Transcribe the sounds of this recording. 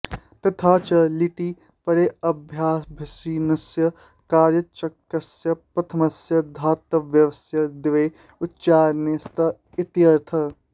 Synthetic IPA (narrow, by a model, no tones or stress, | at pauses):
t̪ɐt̪ʰaːt͡ʃɐliʈi | pɐɾeɐbʱjaːsbʱisiːnɐsjɐ | kaːɾjɐt͡ʃɐkːɐsjɐpɾɐt̪ʰɐmɐsjɐd̪ʱaːt̪ːɐʋjɐʋɐsjɐd̪ɪʋe | utːt͡ʃaːɾnest̪ɐ | ɪt̪jɐɾt̪ʰɐ